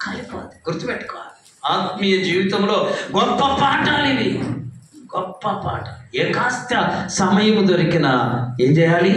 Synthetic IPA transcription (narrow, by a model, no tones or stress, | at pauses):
kɐlipo̰ːnd̪i̥ɡ̥uɾt̪upɛʈːu̥kɔːʋaːli | aːt̪mijɐd͡ʒiːʋit̪ɐmlo̞ːɡɔpːɐpaːʈalini | ɡ̥ɔpːɐpa̰ːʈɐlɛːkaːst̪jɐsɐmɐjɐmud̪oɾikinɐeːɲd͡ʒɛjaːli